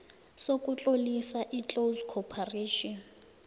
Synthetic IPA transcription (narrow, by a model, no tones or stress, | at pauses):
sokʼut͡ɬʼolisaʔit͡ɬʼozkʰɔpʰareːʃɔn